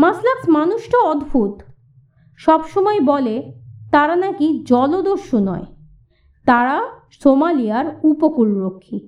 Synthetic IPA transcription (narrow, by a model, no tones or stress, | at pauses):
maslaksmanuʃʈoɔd̪bʱut̪ | ʃɔbʃɔmɔebɔlet̪aɾanakid͡ʑɔlod̪oɾʃunɔ̰e | t̪aɾa | somalijaɾupokulɾokʰːi